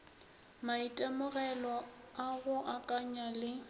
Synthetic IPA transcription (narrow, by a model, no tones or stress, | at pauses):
maitʼamʊɣɛlɔ | aɣʊʔakʼaɲalɪ